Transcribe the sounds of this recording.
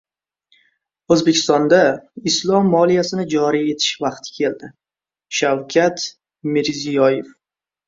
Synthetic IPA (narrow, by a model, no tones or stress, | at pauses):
ɵzbekʲʰɪ̥st̪ɒnd̪aɪslˠɒmːɒlˠijasɪnɪd͡ʒɒɾije̞t̪ʰɪ̥ʃvɑqt̪ʰɪ̥kʲʰe̞ld̪ɪ | ʃawkʲʰat̪ | mɪɾzijɒjef